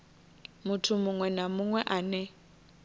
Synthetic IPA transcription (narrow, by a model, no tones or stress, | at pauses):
mʊtʰʊmʊŋwɛnamʊŋwɛʔaːnɛ